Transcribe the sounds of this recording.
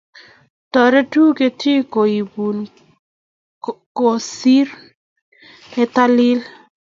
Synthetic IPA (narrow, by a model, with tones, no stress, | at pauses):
tɔ˨ɾɛ˦tu˦ke˨ti˦ko˨i˨bu˨n | ko˨si˦ɾ | ɛ˨t̪a˦lɪ˦l